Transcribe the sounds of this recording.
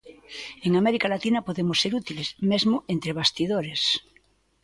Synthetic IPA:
eŋameɾikalat̪inapoðemosːeɾut̪ilesmezmoʔent̪ɾeβ̞ast̪iðoɾes

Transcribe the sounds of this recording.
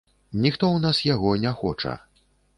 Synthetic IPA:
nʲixt̪ɔwnasjaɣɔnʲaxɔt͡ʂɐ̰

